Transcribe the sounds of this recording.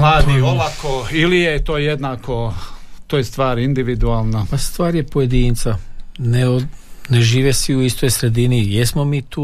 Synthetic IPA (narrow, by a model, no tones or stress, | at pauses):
mlˠaːd̪ioʋakoilijet̪oːjed̪naːkot̪oːjest̪ʋaːɾind̪iʋid̪uaːlˠnapast̪ʋaːɾje̞poje̞d̪iːnt̪saneoneʒiːʋesʋiuist̪o̞jsɾe̞d̪inijesmomiːt̪uː